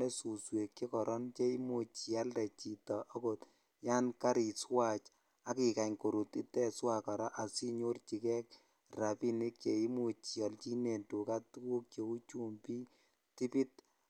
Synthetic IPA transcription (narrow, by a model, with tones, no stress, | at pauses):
ɛ˦su˨swe˨kke˦kɔ˨ɾʔɔ˦nt͡ʃe˦i˦mo˨t͡ʃi˨a˦ldɛ˨t͡ʃi˨tɔ˨ʔɔ˦ko˨t | ja˦nka˦ɾi˨swa˦t͡ʃ | a˦ki˨ka˨ɲko˨ɾu˨ti˦tɛ˦swa˨ka˨ɾa˦ʔa˨si˦ɲo˦rt͡ʃi˨kɛ˦k̚ | ra˨pi˦ni˦kje˨i˦mo˨t͡ʃi˨ɔ˨lt͡ʃi˦ne˨ntu˨ka˦tu˦ku˦k̚t͡ʃe˨u˦t͡ʃu˦mpi˦ | ti˦pi˦t̚